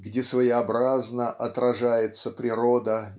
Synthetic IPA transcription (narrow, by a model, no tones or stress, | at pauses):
ɡdʲesvəjɪɐbɾaznəʔɐt̪ɾɐʐajɪt̪səpɾʲɪɾo̞d̪ə